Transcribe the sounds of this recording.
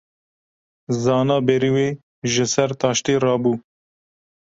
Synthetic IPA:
zɑːnɑːbeɾiweː | ʒəsɐɾt̪ɑːʃt̪eːɾɑːbuː

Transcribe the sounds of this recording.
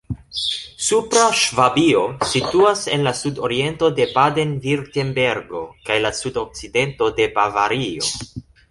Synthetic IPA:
supɾaʃvabio̞situase̞̰nlasudo̞ɾie̞nto̞de̞pade̞nviɾtenbe̞ɾɡo̞kajlasudo̞k̚t͡side̞nto̞de̞bavaɾio̞̰

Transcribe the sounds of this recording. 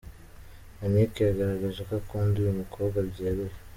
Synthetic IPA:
anekejaɡaɾaɡaʒakakuːndujumukʰoːβbɡwabɟeβe

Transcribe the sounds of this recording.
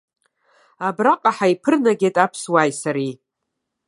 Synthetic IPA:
abraqʼaħaipʰɨrnaɡʲejtʼapʰswaːjsaɾi

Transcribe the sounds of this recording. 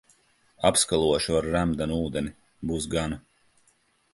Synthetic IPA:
apskalˠuɔʃuaɾːæmd̪anuːd̪eni | buːs̬ɡana

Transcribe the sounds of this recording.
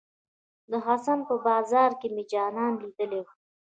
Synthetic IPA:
d̪əɦɑsanpəbɑːzɑːɾkemed͡ʒɑnɑnlid̪əle

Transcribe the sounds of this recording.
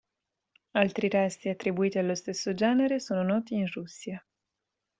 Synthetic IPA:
alt̪ɾiɾɛst̪iat̪ːɾibuiːt̪ialːost̪esːod͡ʒɛːneɾesoːnonɔːt̪iːnrusːja

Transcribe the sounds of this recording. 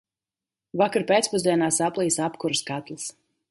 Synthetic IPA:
vakaɾpʲeːt̪spuzd̪ʲiɛnaːsaplˠiːsapkuɾɨskat̪lˠis

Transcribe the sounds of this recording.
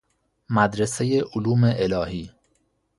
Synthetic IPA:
mæd̪ɾesejeʔoluːmeʔelɒːhiː

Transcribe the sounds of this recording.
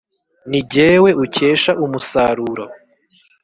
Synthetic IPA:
niɟeːwe̞ʔuce̞ːʃaʔumusaɾuɾo

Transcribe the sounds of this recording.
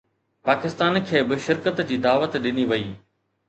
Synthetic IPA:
paːkɪst̪aːnkʰeːbɪʃɪɾkət̪d͡ʑiːd̪aːʋət̪ɗɪniʋɐiː

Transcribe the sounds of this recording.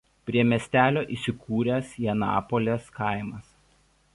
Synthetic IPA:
pʲɾʲiɛmʲɛsʲt̪ʲæːlʲoːʔiˑːsʲɪkʰuːɾʲɛsjɛnɑ̰ːpolʲeskɑˑɪmɐs

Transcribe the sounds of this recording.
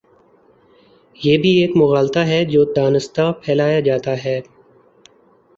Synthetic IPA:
jeːbʱieːkmʊɣaːlt̪aɦɛd͡ʒoːd̪aːnɪst̪apʰɛːlaːjad͡ʒaːt̪aɦɛː

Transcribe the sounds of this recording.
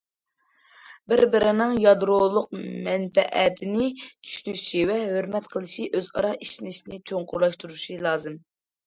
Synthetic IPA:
bɪɾbɪɾɪnɪŋjɑd̪ɾolˠʊq̚mɛnfɛʔɛt̪ʰɪnɪt͡ʃʰy̥ʃnyʃivɛɦøɾmɛt̪qʰəlˠɨʃiʔøzɑ̰ɾɑiʃinɪʃinɪt͡ʃʰoŋqʰʊɾlˠɑʃt̪uɾuʃilˠɑːzɨm

